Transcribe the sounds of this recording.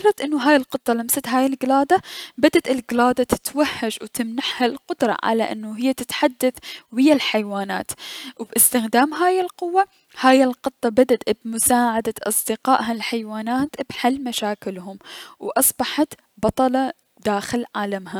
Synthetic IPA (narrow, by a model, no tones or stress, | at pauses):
rˤɾˤɑt̪ʔɪnːʊɦaːjɪlqɨt̪ˤːɑlamsat̪ɦaːjɪlɡɪlaːd̪abad̪ad̪ɪlɡɪlaːd̪at̪ɪ̥t̪wahːad͡ʒwt̪ɪmnaħhalqʊd̪ɾˤɑ̰ʕa̰la̰ʔɪ̰nːuɦɪjːat̪ɪt̪ħad̪ːaθwɪjːalħajwaːna̰ːt̪wbʔɪst̪ɪxd̪aːmɦaːjɪlqʊwːa | haːjɪlqɨt̪ˤːɑbad̪ad̪bmʊsaːʕad̪aʔɑsˤd̪ɪqɑːʔɦalħajwaːnaːt̪b̥ħalːmaʃaːkɪlɦʊmwʔɑsˤbɑħɑt̪ | bɑt̪ˤɑlɑ | d̪aːxɪlʕaːlamɦa